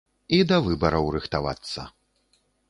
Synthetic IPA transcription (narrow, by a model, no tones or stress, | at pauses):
id̪ɐvɨbɐɾɐwrɨxt̪ava̰t̪sːɐ̰